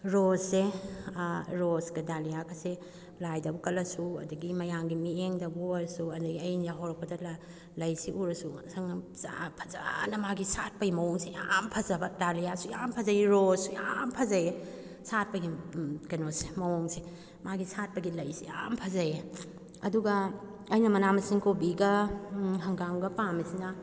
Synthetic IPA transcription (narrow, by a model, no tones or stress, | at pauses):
ɾosːe | ɾosɡɐdalijakʰɐse | lajdɐbukɐlɐsuɐ̰duɡimɐjaŋɡimieŋdɐbuɾsuɐndɐɡiɐjnjaɦoɾɐk̚pɐdɐla | lɐjsiʔuɾɐsusɐŋ | sa̰pʰɐ̥za̰nɐmaɡisat̚pɐɡimɐwoŋseja̰mpʰɐzɐbɐdalijasujampʰɐzɐiɾosuja̰mpʰɐzɐje | sat̚pɐɡikɐnosi̥mɐwɔŋsi | maɡisat̚pɐɡilɐjsija̰mpʰɐzɐje | ɐduɡɐ | ɐjnɐmɐnamɐsiŋkobiɡɐɦɐŋɡamɡɐpamisinɐ